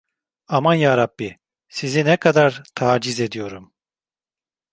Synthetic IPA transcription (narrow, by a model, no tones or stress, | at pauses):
amanjaːɾabːi | sizinɛkʰad̪aɾt̪ʰaːd͡ʒize̞d̪ijo̞ɾum